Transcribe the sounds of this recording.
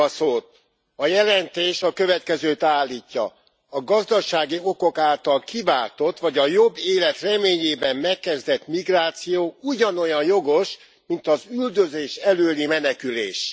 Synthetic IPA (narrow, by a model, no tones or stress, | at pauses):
ɒsoːt̪̚ | ɒjɛlɛnt̪eːʃɒkø̞vɛt̪kɛzøːt̪aːlːiːcːɒ̰ː | ɡɒzd̪ɒʃaːɡio̞ko̞kaːlt̪ɒlkivaːt̪o̞t̪ʋɒɟɒjo̞bːeːlɛt̪rɛmeːɲeːbɛmːɛkːɛzd̪ɛt̪miɡraːt̪sijoːuɟɒno̞jɒnjo̞ɡo̞ʃ | mint̪ɒzyld̪øzeːʃɛløːlimɛnɛkylḛːʃ